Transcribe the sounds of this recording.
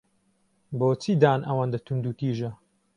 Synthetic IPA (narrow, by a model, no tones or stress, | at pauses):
boːt͡sʰid̪aːnʔɐwaːnd̪ɐt̪ʰund̪uːt̪iːʒɐ